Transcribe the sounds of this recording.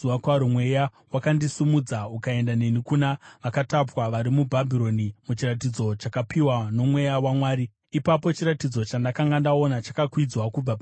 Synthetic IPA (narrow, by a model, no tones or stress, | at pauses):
uakwaɾumwe̞ja | wakandisumud͡zaukae̞ndane̞nikunaʋakatapwaʋaɾimubʱabʱiɾo̞nimut͡ʃirat̬id͡zo̞t͡ʃakapiwano̞mwe̞jawamwaːɾi | ipapo̞t͡ʃiɾatid͡zo̞t͡ʃandakaŋɡandao̞nat͡ʃakakwid͡zwakub͡vap